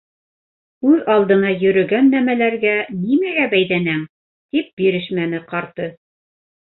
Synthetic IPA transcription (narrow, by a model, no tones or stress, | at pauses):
ʉðɑlˠd̪ɤ̆nɑjɵ̆ɾɵ̆ɡænːæmælæɾɡænimæɡæbæjðænæŋ | t̪ip̚biɾɘʃmænɘqɑɾt̪ɤ